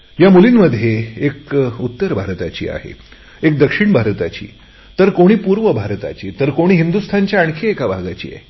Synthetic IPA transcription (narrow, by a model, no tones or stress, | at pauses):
jamulinməd̪ʱjeekut̪ːəɾbʱaɾt̪at͡ɕḭːa̰ɦḛ | ek̚d̪əkʂiɳbʱaɾt̪at͡ɕḭː | t̪əɾkoɽ̃iːpuɾʋəbʱaɾt̪a̰t͡ɕiːt̪əɾkoɽ̃iːɦind̪ust̪ʰaɲt͡ɕjaəɳ̃kʰeekabʱaɡat͡ɕḭːjḛ